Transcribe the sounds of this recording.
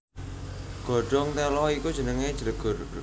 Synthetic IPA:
ɡ̥ɔ̤ɖ̥ɔ̤ŋt̪ɛlɔikud̥ʒ̥ə̤nəŋed̥ʒ̥əɾəɡ̥

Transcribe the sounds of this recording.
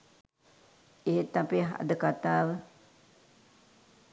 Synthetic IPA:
eːet̪apeɦa̰d̪əkat̪aːʋə

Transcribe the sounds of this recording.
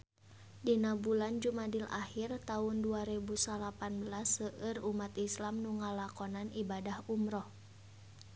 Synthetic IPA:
dinabuland͡ʒumadilʔa̰hirt̪aunduaɾɛbusalapanbəlasːəʔərumat̪islamnuŋalakɔnanibadahumɾɔh

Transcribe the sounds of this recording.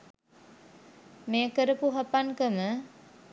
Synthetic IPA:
meːəkəɾəpuɦapankəmə

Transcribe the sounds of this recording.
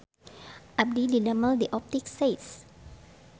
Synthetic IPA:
ʔab̚didinaməldiʔɔp̚t̪iksaɪts

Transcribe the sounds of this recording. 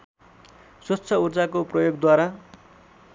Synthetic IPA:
swʌtːt͡sʰʌurd͡zakoprʌjoɡd̪waɾa

